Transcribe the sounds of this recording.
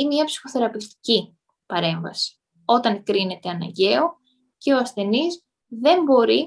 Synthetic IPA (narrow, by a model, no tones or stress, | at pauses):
inemiɐpsi̥xo̞θe̞ɾɐpift̪i̥ci | pɐɾe̞ɱvɐ̰si̥ | o̞t̪ɐŋkɾine̞t̪e̞ɐnɐ̰ɲɟe̞o̞ | ce̞o̞ɐsθe̞nis | ðe̞mbo̞ɾi